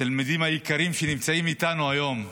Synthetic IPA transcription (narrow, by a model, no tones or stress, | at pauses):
talmidimhajikaʁimʃenimt͡saimit̪anuajo̞m